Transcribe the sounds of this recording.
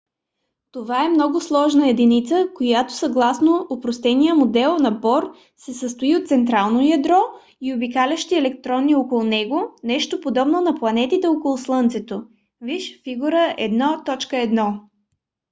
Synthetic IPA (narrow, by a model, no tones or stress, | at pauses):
t̪ovaɛmnɔɡʊslˠɔʒnəɛd̪init̪səkojat̪o̥sɐɡlˠasnoopɾost̪ɛnijəmod̪ɛlˠnɐbɔɾ | sɛsəst̪oiot̪̚t̪sɛnt̪ɾalˠnojɐd̪ɾɔ | iobikalʲəʃt̪iɛlɛk̚t̪ɾɔnːiokolˠnɛɡonɛʃt̪opod̪ɔbnonɐplˠɐnɛt̪it̪ɛokolˠʊslˠɤnt̪sɛt̪o | viʃfiɡuɾəɛ̰d̪nɔt̪ɔt͡ʃkəɛd̪nɔ